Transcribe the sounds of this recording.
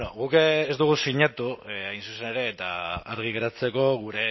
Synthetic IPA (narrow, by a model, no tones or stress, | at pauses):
noɣukːzt̪uɣ̞usiɲat̪uajnsusene̞ɾe̞ːt̪a̰aɾɣ̞iɣeɾat͡se̞ko̞ɣuɾe̞